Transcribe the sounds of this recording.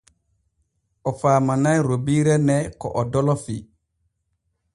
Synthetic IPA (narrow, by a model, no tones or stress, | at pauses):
ɔfaːmanajɾobiːɾɛnɛkɔ̰ʔɔdɔlɔfi